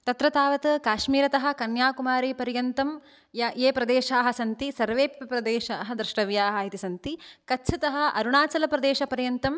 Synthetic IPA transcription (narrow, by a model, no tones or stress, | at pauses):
t̪ɐt̪ɾɐt̪aːʋɐt̪ɐkaːʃmiːɾɐt̪ɐɦɐ̆kɐnjaːkumaːɾeːpɐɾjɐnt̪ɐm | jɐeːpɾɐd̪eːʃaːɦɐ̆sɐnt̪isɐɾʋeːppɾɐd̪eːʃaːɦɐ̆d̪ɾɪʂʈɐʋjaːɦaːɦit̪isɐnt̪ikɐtːt͡ʃʰɐt̪ɐɦɐ̆ʔɐɾuɳaːt͡ʃɐlɐpɾɐd̪eːʃɐpɐɾjɐnt̪ɐm